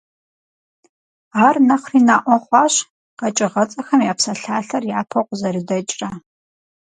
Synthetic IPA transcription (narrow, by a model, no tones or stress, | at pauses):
aːrnɐχriːnaːʔʷɔχʷɑːɕ | qɐt͡ʃʼɪʁɐt͡sʼɐxɐmjaːpsɐɬaːɬɐrjaːpʰɐqʷzɐrɨdɐt͡ʃʼrɐ